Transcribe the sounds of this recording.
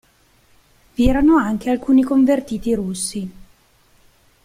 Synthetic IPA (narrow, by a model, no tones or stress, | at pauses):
viɛːɾanoaŋk̟ealkuːnikoɱvert̪iːt̪iɾusːi